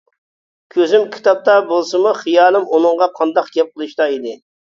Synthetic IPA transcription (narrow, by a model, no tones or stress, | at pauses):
kʲʰøzymkʲʰi̥t̪ɑp̚t̪ɑbolˠsɨmuχijɑːlˠɨmunɨŋʁɑqʰɑnd̪ɑqɡʲɛp̚qʰəlˠɨʃt̪ɑid̪ɪ